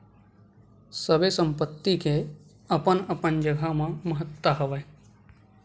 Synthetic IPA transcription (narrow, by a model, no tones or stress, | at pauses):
səbesə̃mpət̪ːike | əpənəpənd͡ʒəɡʱamãməɦət̪waɦəʋe